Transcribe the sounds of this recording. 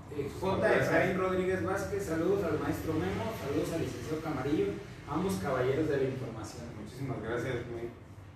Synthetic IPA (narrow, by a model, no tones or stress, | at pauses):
ekspoɾt̪asainro̞ðɾiɣe̞zβaskessːaluð̞osalmae̞st̪ɾomemosaluð̞osalːisensjaokamaɾijo | ambo̞skaβaʝe̞ɾo̞zðelaiɱfo̞ɾmasjonmut͡ʃisimazɣɾasjasme